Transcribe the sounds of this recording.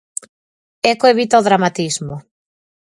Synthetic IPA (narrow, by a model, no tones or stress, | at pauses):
ɛkoeβit̪aoðɾamat̪izmo